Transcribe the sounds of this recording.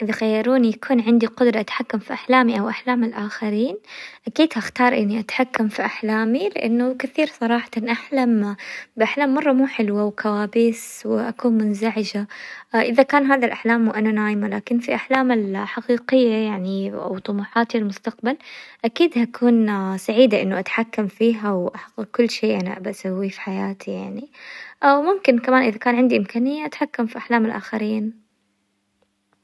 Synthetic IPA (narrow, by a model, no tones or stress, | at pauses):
ʔɪðaxajːɑɾuːnijakʰuːnʕɪnd̪iqʊd̪ɾˤɑʔat̪ħakːamfiʔaħlaːmiʔawʔaħlaːmɪlʔaːxaɾiːnʔakiːd̪haxt̪ɑːɾˤʔɪnːiʔat̪ħakːamfiʔaħlaːmilɪ̰ʔa̰nːʊkɪθiːɾsˤɑɾˤɑːħḁt̪ɑnʔaħlambɪʔaħlaːmːɑrˤːɑmuːħɪlwawkawaːbɪswɪʔakuːnmʊnzaʕɪd͡ʒaʔɪðakaːnɦaːðalʔaħlaːmːuʔananaːjɪmalaːkɪnfiʔaħlaːmɪlħaqiːqɪjːajaʕnia̰wt̪ˤʊmuːħɑːt̪iɪlmʊst̪aq̚balʔakiːd̪hakʰuːnsaʕiːd̪aʔɪnːʊʔat̪ħakːamfiːɦawʔaħaɡːɪɡ̚kʊlːʃeːʔana̰ʔa̰baʔasawːifi̥ħajaːt̪ʰijaʕniʔawmʊmkɪnkamaːnʔɪðakaːnʕɪnd̪iʔɪmkaːnɪjːaʔat̪ħakːamfiʔaħlaːmɪlʔa̰ːxaɾiːn